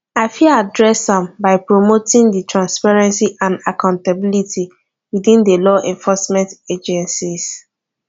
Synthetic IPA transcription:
aɪfiadɹɛsãmbaɪpɹomotĩŋditɹãnspaɹɛ̃nsiʔãnakãʊ̃ntabilitʰi | wiðĩndəlɔʔɛ̃ɱfɔsmɛ̃nted͡ʒɛ̃nsis

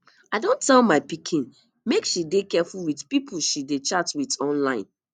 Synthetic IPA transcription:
aɪdõntɛlmaɪpikʰĩn | mekʃidekɛfulwitpipʰuʃidet͡ʃatwitɔ̃nlãɪ̃n

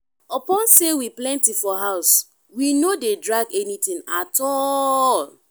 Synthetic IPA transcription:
ɔpɔ̃nsewiplɛ̃ntifɔɦaʊs | winodedɹaɡɛnit̪ĩŋatɔl

